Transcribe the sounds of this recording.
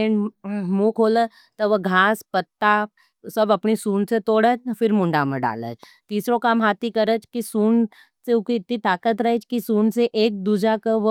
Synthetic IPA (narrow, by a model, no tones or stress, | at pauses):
eːnmuːkʰoːlə | t̪ɔʋəɡʱaːspət̪ːaː | sɐbɐpnisuːnset̪oːɽət͡ʃfɪɾmʊ̃ɳɖamẽɖa̰ːlə̰t͡ʃ | t̪iːsɾokamɦaːt̪ikɐɾət͡ʃkisuːn | seʊkiɪt̪nit̪aːkət̪ɾɐɦet͡ʃkisuːnseʔeːk̚d̪uːd͡ʒakəʋə